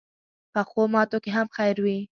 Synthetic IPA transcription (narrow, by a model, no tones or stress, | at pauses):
pəxomɑt̪okeɦamxajɾwi